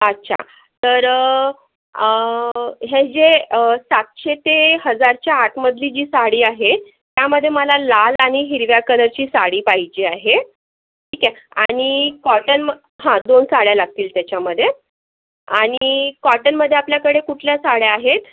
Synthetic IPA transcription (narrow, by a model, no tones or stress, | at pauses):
ətːɕʰa̰ | t̪əɾ | ə | ɦed͡ʑeəsat̪̚ɕet̪eɦəd͡zaɾt͡ɕjaːʈʰməd̪lid͡ʑiːsaɽiːaɦe | t̪jaməd̪ʱːjeməlalalaɽ̃iɦiɾʋjakələɾt͡ɕiːsaɽiːpaɦid͡ʑiaɦe | ʈʰiːkɛa̰ɽ̃ikɔʈənmə | ɦãd̪onsaɽjalaɡ̚t̪iːlt̪jat͡ɕaməd̪ʱːje | aɽ̃ikɔʈənməd̪ʱːeapljakəɽekuʈʰljasaɽjeaɦet̪